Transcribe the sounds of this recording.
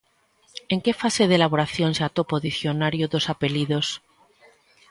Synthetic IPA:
eŋkefase̞ð̞elaβ̞oɾaθjonsat̪opoðiθjonaɾjoðo̞sape̞liðos

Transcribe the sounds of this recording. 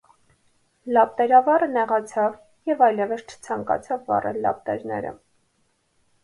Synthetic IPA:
lɑp̚t̪ɛɾɑvɑrənɛʁɑt͡sʰɑv | jɛvɑjlɛvəst͡ʃʰə̥t͡sʰɑŋkɑ̰t͡sʰɑvːɑ̰rʔəlɑ̰p̚t̪ɛɾnɛ̰ɾə̰

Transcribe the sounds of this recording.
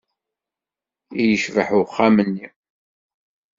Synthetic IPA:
ijəʃvəħʊχːamənːi

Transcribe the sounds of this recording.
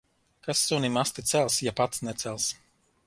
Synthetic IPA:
kasːunimast̪it̪sɛlˠsjapat̪snɛt̪sɛlˠs

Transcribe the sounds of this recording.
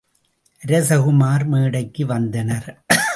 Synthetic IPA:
ɾɐsɐɣɯmaːɾmeːɽɐɪkːɯʋɐnd̪ɐnɐɾ

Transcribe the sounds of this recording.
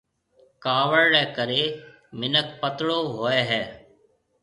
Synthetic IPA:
kaːʋəɾɽɛːkəɾeː | mɪnək̚pət̪ɽoːɦoːeːɦɛː

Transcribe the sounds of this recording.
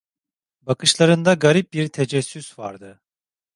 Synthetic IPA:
bakɯʃlˠaɾɯnd̪aɡaɾip̚biɾt̪ʰed͡ʒɛsːysva̰ɾd̪ɯ

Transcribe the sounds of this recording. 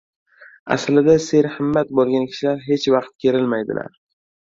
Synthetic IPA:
a̰slɪd̪ase̞ɾhɪmːat̪̚bolˠɡʲankʲʰɪ̥ʃɪlaɾɦe̞t͡ʃvɑqt̪̚kʲʰe̞ɾɪlmajd̪ɪ̰la̰ɾ

